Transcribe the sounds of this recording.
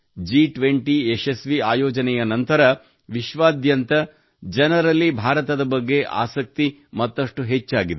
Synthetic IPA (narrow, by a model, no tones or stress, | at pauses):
d͡ʒiʈʋeɳʈieʃesʋiaːjɔːd͡ʒɐnɛjɐnɐnt̪ɐɾɐ | ʋiʃʋaːd̪jɐnt̪ɐ | d͡ʒɐnɐɾɐlːibʱaːɾɐt̪ɐd̪ɐbɐɡːe̞ʔa̰ːsɐk̚t̪imɐt̪ːɐʂʈuɦet͡ʃːaːɡid̪e